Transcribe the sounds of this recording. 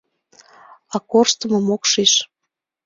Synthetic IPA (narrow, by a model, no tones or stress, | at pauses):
ɑkorʃt̪ə̆mɤ̆mokʃiʃ